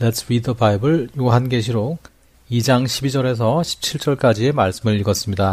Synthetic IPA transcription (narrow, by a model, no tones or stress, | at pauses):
letsʰwidʌbaibɯɭjoɦanɡe̞ɕ̬ʰiɾok̚ | id͡ʑaŋɕʰibid͡ʑʌɾe̞s̬ʰʌɕʰi̥p̚t͡ɕʰiɭt͡ɕ͈ʌɭk͈ad͡ʑie̞maɭs͈ɯmɯɭiɡʌs͈ɯmɲida